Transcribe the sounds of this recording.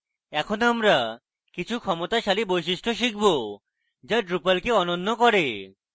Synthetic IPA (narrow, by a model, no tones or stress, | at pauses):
ɛkʰonamɾa | kit͡ɕʰukʰɔmot̪aʃalibojʃiʃʈoʃ̬ikʰbo | d͡ʑaɖɾupalkeɔnonːokɔɾe